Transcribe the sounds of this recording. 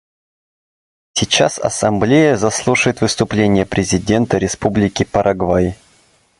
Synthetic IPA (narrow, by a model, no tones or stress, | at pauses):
sʲɪt͡ɕasɐ̰sɐmblʲejəzɐslˠuʂəjɪt̪vɨst̪ʊplʲenʲɪjəpɾʲɪzʲɪdʲe̞nt̪əɾʲɪspublʲɪkʲɪpəɾʔɐɡvaj